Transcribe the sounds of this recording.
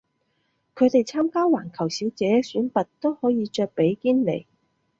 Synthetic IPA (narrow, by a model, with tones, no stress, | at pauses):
kʰɵ˨˧t̪e˨jt͡sʰaː˥mkaː˥waː˨˩nkʰɐ˨˩wsiː˨˥wt͡sɛː˨˥syː˨˥npɐ˨t̚t̪o˥whɔː˨˥jiː˨˧t͡ʃœː˧k̚pe˨˥jkiː˥nlḛ˨˩j